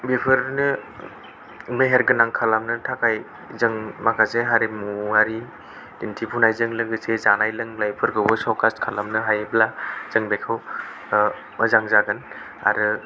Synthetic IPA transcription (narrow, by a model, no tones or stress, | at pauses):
bipʰɯɾnɯ | meɦeɾɡɯnaŋkʰalamnɯtʰakaj | zɯŋmakʰaseɦaɾimuaɾi | dintʰipʰunajzɯŋlɯɡɯsezanajlɯŋlajpʰɯɾɡɯwbɯsɔkastkʰalamnɯɦajblaz̥ɯŋbekʰɯw | mɯzaŋzaɡɯn | a̰ɾɯ